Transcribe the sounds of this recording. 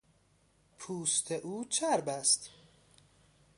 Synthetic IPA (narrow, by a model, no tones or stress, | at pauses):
pʰuːst̪ʰeʔuːt͡ʃʰæɾbæst̪